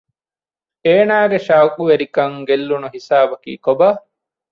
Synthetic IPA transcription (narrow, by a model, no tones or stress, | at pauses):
eːnaːɡeʃawkuʋeɾikɐŋɡelːunuɦisaːbɐkḭːkobɐ